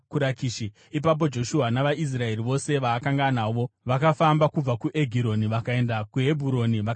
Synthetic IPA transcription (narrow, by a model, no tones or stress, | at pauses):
kuɾakiːʃi | ip̬ap̬o̞d͡ʒo̞ʃuɦanaʋaʔis̬rae̞ɾiʋo̞se̞ʋaːkaŋɡanaʋo̞ʋakafambakub͡vakuʔe̞ɡʱiɾo̞niʋakae̞ndakuɦe̞bʱuɾo̞niʋa